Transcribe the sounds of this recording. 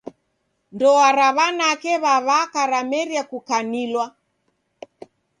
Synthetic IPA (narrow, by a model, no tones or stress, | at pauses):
ndɔwaɾaβanakɛβaβakaɾamɛɾiakukanilwa